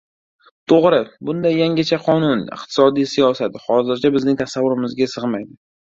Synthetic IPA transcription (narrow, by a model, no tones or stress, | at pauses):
t̪ʰoʁɾɪbʊnd̪ajːaŋʲat͡ʃʰaqʰɒnʊnɪ̰qt̪ʰɪ̥sɒd̪ijsijɒsat̪χɒzɪɾt͡ʃʰabɪznɪŋt̪ʰasavːʊɾɪmɪzɡʲasɨʁmajd̪ɪ